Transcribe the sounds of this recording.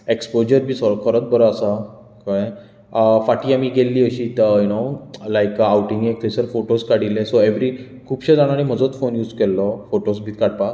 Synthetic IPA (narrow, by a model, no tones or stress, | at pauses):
ekspod͡ʑəɾbʱiːsɔɾkʰəɾət̪̚bəɾəasa | kaj | faʈiːamiɡelːiːəɕiːt̪əjunolajkawʈĩŋɡek̚t̪ʰesəɾfoʈoskaɽilẽsoeʋɾi | kʰuːpɕəd͡zaɽ̃aɽ̃im̤əd͡zot͡sfonjuːd͡zkɛlːɔfoʈosbʱiːt̪̚kaɽ̚pa